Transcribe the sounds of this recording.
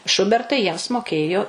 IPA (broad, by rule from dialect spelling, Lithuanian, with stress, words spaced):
ˈʃʊbʲɛrtɐɪ jiɛms moːˈkʲeːjoː